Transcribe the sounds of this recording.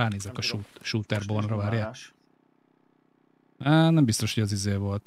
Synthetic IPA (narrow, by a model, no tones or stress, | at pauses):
aːneːzɛkɒʃuːt̪ʃuːt̪ɛrbonrɒvaːɾjaːk | anɛmbist̪o̞ʃhoɟɒzizeːvo̞lt̪